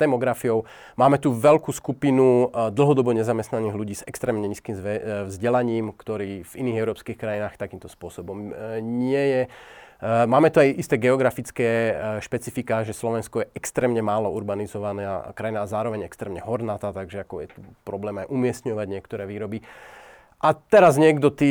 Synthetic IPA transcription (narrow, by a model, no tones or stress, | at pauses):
t̪ɛmɔɡɾafijɔʊ | maːmɛt̪uʋɛʎkuːskupinud̪l̩ˠɦɔd̪ɔbɔɲɛzamɛst̪naniːɦluɟiːsɛkst̪ɾɛːmɲɛɲiskiːmzɛvzɟɛlaɲiːmkt̪ɔɾiːviniːɣɛʊɾɔːpskiːxkɾajinaːxt̪akiːmt̪ɔspʊɔsɔbɔmɲɪɛjɛ | maːmɛt̪uajʔist̪ɛːɡɛɔɡɾafit͡skɛːʃpɛt͡sifikaʒɛslɔʋɛnskɔjɛʔɛkst̪ɾɛːmɲɛmaːlɔuɾbanizɔʋanakɾajinaːzaːɾɔʋɛɲɛkst̪ɾɛːmɲɛɦɔɾnaːt̪aːt̪aɡʒɛakɔjɛ̰t̪upɾɔblɛːmajʔumɪɛst̪ɲɔʋaɟɲɪɛkt̪ɔɾɛːʋiːɾɔbi | ʔat̪ɛɾazɲɪɛɡd̪ɔt̪i